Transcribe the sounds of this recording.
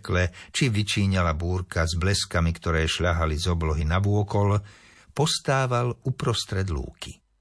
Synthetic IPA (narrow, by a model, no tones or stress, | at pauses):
klɛt͡ʃiʋit͡ʃiːɲalabuːɾkazblɛskamikt̪ɔɾɛːʃʎaɦalizɔblɔɦinaʋʊɔkɔl | pɔst̪aːʋalupɾɔst̪ɾɛd̪lṵːki̥